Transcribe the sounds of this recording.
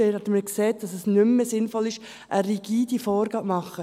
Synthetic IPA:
eɛtməkseːt̚d̥ɑsəsnʏmːəsɪnfɔlɪʃ | ʔəɾiɡ̥iːd̥ifɔːɾɡɑːʔmɑχə

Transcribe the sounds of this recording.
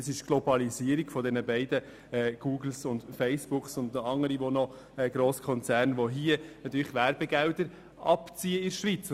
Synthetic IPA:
sɪʃɡ̥lɔbɑliziəɾiɡfɔd̪ɛnəbæɪdə | ɛːɡ̥uːɡl̩sʊnt̪fɛɪsb̥ʊksʊndɑŋːəɾiʋonɔ | ɛɡɾoːskʰɔnt͡sæːɾnʋɔɦiənɑt̪yːɾləχʋæɾb̥ɛɡɛwdəɾ | ʔɑpt͡siəɪɾʃʋit͡s

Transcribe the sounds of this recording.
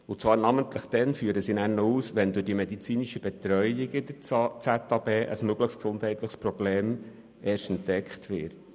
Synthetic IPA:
ʊt͡sʋɑːɾnɑmənt̪ləχd̥̪ɛnfyːəɾəsinæːɾnːɔuːsʋɛnd̪ʊdimed̪it͡siːniʃəb̥ɛt̪ɾœʏɪɡɪd̥̪ət͡sæt̪ɑbeːʔə̰smøɡləχsksʊndhɛɪt̪ləχspɾɔbleːm | ʔeːɾʃtɛnt̪ːɛkχtʰʋɪːɾt

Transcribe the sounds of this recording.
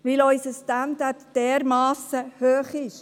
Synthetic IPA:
ʋɪlɔʏsəstændatd̥ɛːɾmɑːsəhøːχɪʃ

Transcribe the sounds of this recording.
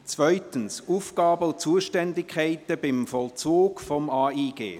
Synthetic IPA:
t͡svœʏtənsuːfkɑːbəʊt͡suːəʃtɛndɪkʰːaɪtəbɪmfɔlt͡suːɡfɔmaːiːɡ̥ḛː

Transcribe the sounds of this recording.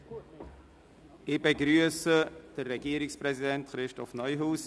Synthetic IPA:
ɪb̥eɡɾyəsəd̥ərːɛɡiːəɾɪksprɛzidɛntχɾɪʃtɔfnœʏɦuːs

